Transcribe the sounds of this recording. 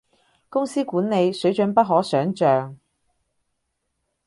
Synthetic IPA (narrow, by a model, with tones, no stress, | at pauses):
kʊ˥ŋsiː˥kuː˨˥nne˨˧jsɵ˨˥ɥt͡ʃɵ˨˥npɐ˥t̚ɦɔː˨˥sœː˨˥ŋt͡ʃœː˨ŋ